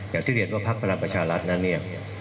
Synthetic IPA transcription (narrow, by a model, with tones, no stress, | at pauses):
jaː˨˩kt̪ʰiː˥˩ɾi˧˩ənwaː˥˩pʰa˦˥k̚pʰa˧ɾa˧ŋpɾa˧t͡ɕʰaː˧ɾa˦˥t̪̚na˦˥nːi˥˩ɐ